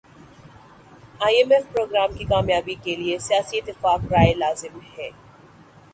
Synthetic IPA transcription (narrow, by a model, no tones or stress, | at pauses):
aːiɛmɛfpɾoːɡɾaːmkikaːmjaːbikeliesijaːsiɪt̪ːɪfaːkɾaːelaːzɪmhɛː